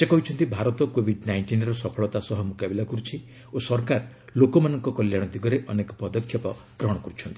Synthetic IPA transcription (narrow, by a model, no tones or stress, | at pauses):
sekɔɦit͡ʃʰɔnt̪ibʱaɾɔt̪ɔkobʱiɖnajɳʈinɾɔsɔpʰɔɭɔt̪asɔɦɔmukabilakuɾut͡ʃʰi | osɔɾkaɾ | lokɔmanɔŋkɔkɔljaɽ̃ɔt̪iɡɔɾeʔɔnekɔpɔd̪ɔkʰːjɔpɔ | ɡ̥ɾɔɦɽ̃ɔkɔɾut͡ʃʰɔnt̪ii